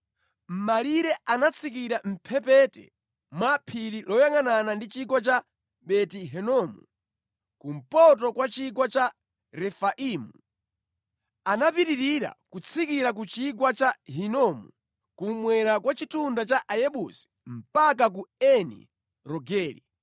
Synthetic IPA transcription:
m̩maliɾɛʔanat͡sʰik̬iɾam̩pʰɛpɛtɛ̰ | mwapʰiɾilɔjaŋananandit͡ʃiɡwat͡ʃa | ɓɛtiɦɛnɔmu | kum̩pɔt̬ɔkwat͡ʃiɡwat͡ʃa | ɾɛfaʔiːmu | anapiɾiɾiɾa̰kut͡sʰikiɾak̬ut͡ʃiɡwat͡ʃaɦinɔmṵ | kumwɛɾakwat͡ʃitundat͡ʃaʔajɛɓusi̥m̩pak̬ak̬uɛnḭ | ɾɔɡɛːlḭ

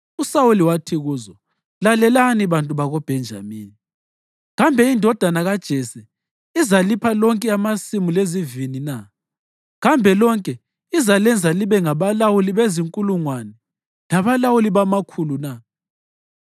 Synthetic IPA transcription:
usawuliwatʰiɣuːzɔ | lalɛlaniβantʼuβaɣɔb̥ʱɛnd͡ʒʱa̰miːni | ɣambʱɛindʱɔd̥ʱanaɣad̥ʒ̥ʱɛsɛ | izalipʰalɔŋkʼɛamasimulezivinina | ɣambʱɛlɔŋkʼɛ | izalɛnd͡zʱaliβɛŋaβalawuliβeziŋkʼuluŋwanɛ | naβalawuliβamakʰuluna

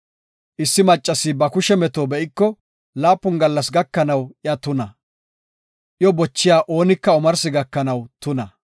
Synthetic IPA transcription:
ʔɪsːɪmɐt͡ʃʼːɐsɪbɐkʊʃɛmɛt̪oːbɛʔɪkːɔ | laːpːʊnɡɐlːɐsɡɐkːɐnɐwʔɪjɐt̪ʊnɐ | ʔjɔbɔt͡ʃːɪjaːʔo̞ːnɪkːɐʊmɐɾsɪɡɐkːɐnɐwt̪ʊnɐ

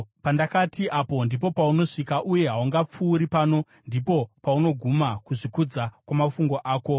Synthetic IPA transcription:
pandakatʰiʔapo̞ndipo̞pauno̞ʂikaʔuje̞ɦauŋɡap͡fuːɾipaːno̞ | ndipo̞pauno̞ɡʱumakuʐikud͡zakwamafuŋɡo̞ʔaːko̞

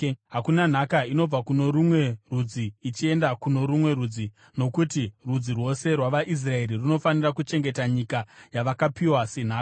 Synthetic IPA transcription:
ɦakunan̤akaino̞b͡vakuno̞ɾumwe̞rud͡ziːt͡ʃie̞ndakuno̞ɾumwe̞ɾud͡zi | no̞kutirud͡zirwo̞se̞rwaʋaʔis̬rae̞ɾiruno̞fanirakut͡ʃe̞ŋɡe̞taɲikajaʋakapiwasen̤aːka

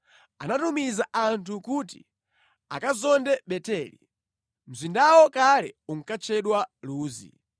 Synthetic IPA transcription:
anatumizaʔantʰukut̬ḭ | a̰kazɔndɛɓɛtɛlḭ | m̩zindawɔkalɛ̰uŋ̩kat͡ʃʰɛɗwaluːzḭ

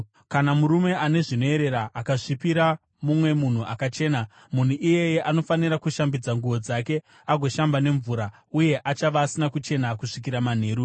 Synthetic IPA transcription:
kanamuɾume̞ʔane̞ʐino̞e̞ɾe̞ɾaʔːkaʐipiɾa | mumwe̞mun̤uʔakat͡ʃe̞ːna | mun̤uʔije̞jeʔano̞faniɾakuʃambid͡zaŋɡuʋo̞d͡zake̞ | aɡʱo̞ʃambane̞ɱvuːɾa | uje̞ʔat͡ʃaʋaːsinakut͡ʃe̞nakuʂik̬iɾaman̤e̞ːɾu

